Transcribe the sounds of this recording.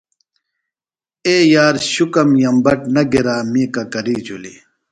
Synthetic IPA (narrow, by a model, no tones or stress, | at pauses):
eːjaːɾɕukɐmjɐmbɐʈnɐɡiɾaːmĩːkɐkɐɾiːd͡ʑulḭ